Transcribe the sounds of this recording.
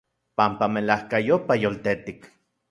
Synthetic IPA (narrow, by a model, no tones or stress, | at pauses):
pampamelahkajopajolt̪et̪ik